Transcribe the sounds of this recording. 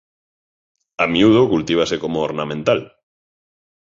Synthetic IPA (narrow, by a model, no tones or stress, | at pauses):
amjuð̞okult̪iβ̞asekomooɾnamẽnt̪al